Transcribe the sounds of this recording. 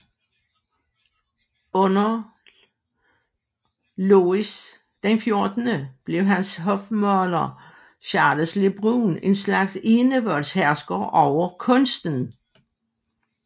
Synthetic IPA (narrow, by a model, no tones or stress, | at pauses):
ɔ̽nɐ | lois | d̥enfjo̝ɐd̥ənəb̥le̝ʊɦænsɦɔfmɒlɐ | ɕɑ̈ːd̥əsleb̥ʁuːne̝nslɑ̈ɡ̥se̝nəʋɒ̽lshæɐsɡ̥ɐʔɒʊ̰ɐkʰɔ̽nsd̥n̩